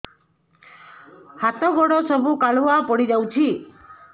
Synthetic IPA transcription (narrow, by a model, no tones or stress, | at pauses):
hat̪ɔɡɔɽɔsɔbukaɭwapɔɽid͡ʒawt͡ʃʰi